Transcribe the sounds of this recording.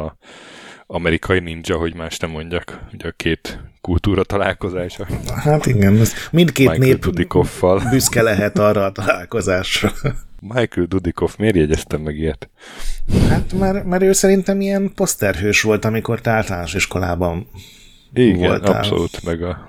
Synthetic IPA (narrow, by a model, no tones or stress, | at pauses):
ɒmɛɾikʰɒjinind͡ʒɒɦo̞ɟmaːʃt̪nɛmːo̞ɲɟɒkuɟɛkʰeːt̪kult̪uːɾɒt̪ɒlaːlko̞zaːʃohat̪iɡɛnɛzmint̪keːneːdd̪ikofːɒlbyskɛlɛɦɛt̪ɒrːɒːt̪ɒlaːlko̞zaːʃrɒmajkuld̪ud̪ikofmeːrjɛɟɛst̪ɛmːɛɡiɛt̪ | hat̪marmɛɾøːsɛɾint̪ɛmiɛnpo̞st̪ɛrɦøːʃʋo̞lt̪ɒmiko̞rt̪ɛaːlt̪ɒlaːnoʃiʃko̞la̰ːbɒn | iːɡo̰la̰slo̰lṵt̪mɛɡɒ